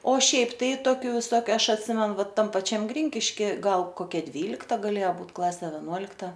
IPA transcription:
oː ˈʃʲɛɪp tɐɪ ˈtoːkʲʊ ʋʲɪˈsoːkʲʊ ˈɐʃ ɐtʲˈsʲɪmʲɛnʊ ˈʋɐ ˈtɐm pɐˈt͡ʃʲɛm ˈɡrʲɪŋʲkʲɪʃʲkʲɪ ˈɡɐlˠ ˈkoːkʲɛ ˈdʲʋʲiːlʲɪktɐ ɡɐˈlʲeːjɛ ˈbuːt ˈklˠɑːsʲɛ ʋʲɛˈnuɔlʲɪktɐ

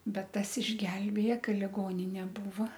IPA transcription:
ˈbʲɛt ˈtɐs ɪʒʲˈɡʲɛlʲbʲeːjɛ ˈkɐ lʲɪˈɡoːnʲɪnʲeː ˈbuːʋɐ

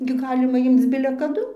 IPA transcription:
ɡʲɪ ˈɡɑːlʲɪmɐ ˈɪmt͡s bʲɪlʲɛ kɐˈdʊ

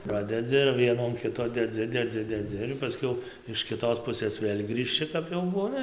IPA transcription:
ˈprɑːdʲɛd͡zʲɪ ɪr ˈʋʲiɛnuː ɐn ˈkʲɪtoː dʲɛˈd͡zʲɪ dʲɛˈd͡zʲɪ dʲɛˈd͡zʲɪ ɪr pɐˈsʲkʲɛʊ ɪʃ kʲɪˈtoːs ˈpʊsɘs ˈʋʲeːlˠ ɡrʲiːʃʲˈt͡ʃʲɪ kɐp jɛʊ ˈbuːnɐ

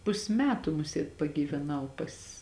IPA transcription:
ˈpʊsʲ ˈmʲæːtʊ ˈmʊsʲiɛt pɐɡʲiːʋʲɛˈnɐʊ pɐs

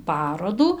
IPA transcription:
ˈpɑːroːduː

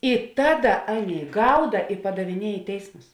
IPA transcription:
ɪ ˈtɑːˌdɐ ˈɑːˌnʲeːɪ ˈɡɐʊdɐ ɪ pɐdɐʋʲɪˈnʲiɛ ɪ ˈtʲɛɪsmʊs

